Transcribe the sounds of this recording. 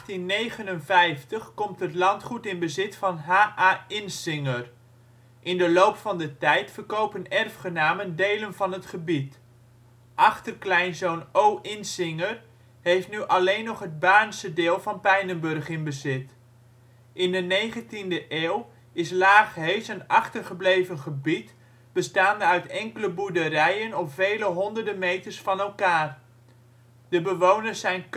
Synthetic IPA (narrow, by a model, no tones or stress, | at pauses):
tinːejχənənvɛjftəχkɔmtɦətlɑntχutɪnbəzɪtfɑnɦaːʔaːɪnsɪŋər | ʔɪndəlowpfɑndətɛjtfəɹkowpənɛrfχənaːməndejlənvɑnɦətχəbit | ʔɑχtərklɛjnzownowʔɪnsɪŋəɹ | ɦejftnyʔɑlejnːɔχɦəd̚baːnsədeːlˠvɑnpɛjnənbɵrχɪnbəzɪt | ʔɪndənejχəntindəʔeːlˠ | ɪslaːχɦeɥsənɑχtərχəblejvənχəbit | b̥əstaːndəœɥtɛŋkələbuɹdəɾɛjənɔpvejləɦɔndərdəmejtəɹsfɑnɛlˠkaːr | dəbəʋownəɹsɛjn